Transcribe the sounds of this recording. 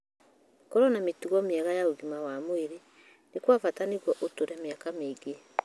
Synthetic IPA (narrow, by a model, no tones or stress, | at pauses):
kɔɾɔnametuɣɔmeɛɣajaoɣimawamoeɾe | nekwafataneɣwɔʔotoɾɛmeakameɡe